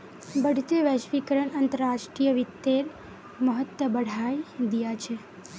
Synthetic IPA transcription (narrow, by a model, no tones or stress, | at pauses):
bəɖʱt̪eʋəʃʋikəɾəɳənt̪əɾaʃʈɾijəʋit̪ːeɾ | məɦət̪wəbəɽ̤ʱajd̪ijat͡ʃʰe